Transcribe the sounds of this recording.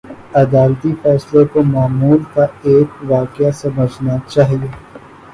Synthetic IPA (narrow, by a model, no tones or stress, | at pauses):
ɐd̪aːlt̪ifɛːslekomaːmuːlkaeːkʋaːkjasɐməd͡ʒʱnat͡ʃaːɦieː